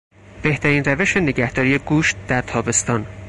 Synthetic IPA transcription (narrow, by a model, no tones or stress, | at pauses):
b̥e̞ht̪ʰæɾiːnræve̞ʃe̞ne̞ɟæhd̪̥ɒːɾije̞ɡuːʃt̪̚d̪æɾt̪ʰɒːbe̞st̪ɒːn